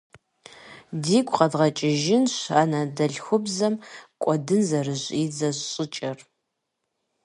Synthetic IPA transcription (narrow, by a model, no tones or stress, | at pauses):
diːkʷʰʼqɐdʁɐt͡ʃʼɪʒɪnɕaːnadɐɮxʷʊbzɐmkʷʼɔdɨnzɐrɨʑʼiːd͡zɐɕɕʼɪt͡ʃʼɐr